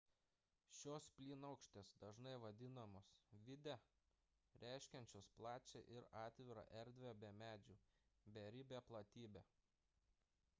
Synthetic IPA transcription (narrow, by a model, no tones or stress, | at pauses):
ʃʲoːspʲlʲiːnɐʊkʃʲt̪ʲeːsd̪ɐʒnɐɪʋɐd̪ʲɪnɐmoːsʋʲɪd̪ʲɛ | ɾʲʔæˑɪʃʲkʲɛnʲt͡ʃʲoːsplˠɑːt͡ʃʲḛʔɪɾɑːt̪ʲʋʲɪɾɑ̰ʔɛɾʲd̪ʲʋʲebʲɛmʲæːd͡ʒʲuːbʲɛɾʲɪbʲeplˠɐt̪ʲiːbʲeː